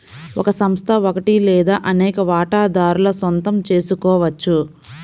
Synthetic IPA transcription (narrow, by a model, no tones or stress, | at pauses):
ɔkɐsɐmst̪ʰɐokɐʈilɛːd̪aːʔɐnɛːkɐʋaːʈaːd̪aːɾulɐsont̪ɐmt͡ʃe̞ːsukɔːʋɐt͡ʃːu